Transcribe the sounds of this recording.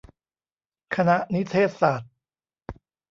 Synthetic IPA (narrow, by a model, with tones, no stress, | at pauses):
kʰa˧na˦˥ʔni˦˥t̪ʰeː˥˩t̪̚saː˨˩t̪̚